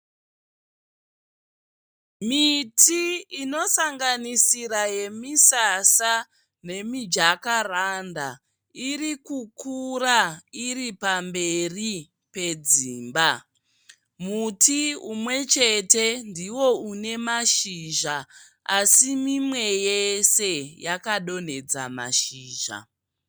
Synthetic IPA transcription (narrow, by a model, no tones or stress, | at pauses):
mitʰiino̞saŋɡanisiɾaje̞misasa | ne̞mid͡ʒakaranda̰ | irikukurairipambe̞ri | pe̞d͡ziːmba | mutiumwe̞t͡ʃe̞te̞ndiwo̞une̞maʃiʒa | asimimwe̞jese̞jakaɗo̞n̤e̞d͡za̰ma̰ʃiːʒa̰